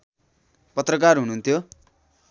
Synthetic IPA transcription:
pʌt̪rʌkarɦununt̪ʰjo

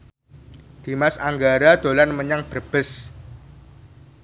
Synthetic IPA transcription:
d̪̥i̤masaŋɡaɾad̪̥o̤lanməɲaŋb̥ərb̥əs

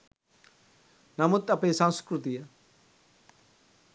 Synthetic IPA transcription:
nɐmut̪ɐpesãnskɾut̪ijɐ

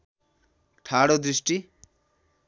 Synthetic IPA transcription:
ʈʰaɽod̪ɾiʃʈi

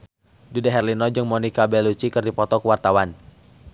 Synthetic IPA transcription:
dudaɦɛrlinɔd͡ʒɨŋmɔnikabɛlut͡ʃikɨrdipɔt̪ɔkəwart̪awan

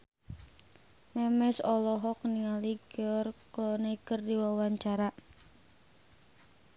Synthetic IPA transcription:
mɛmɛsɔlɔɦɔk̚niŋaliɡiɔrkɔneikərdiwawaɲt͡ʃaɾa

